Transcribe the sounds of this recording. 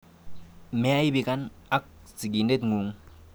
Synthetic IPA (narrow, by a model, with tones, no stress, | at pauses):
me˨a˦i˦bi˨ka˦na˦k̚ | t͡si˨ɡi˨nde˦tŋu˨ŋ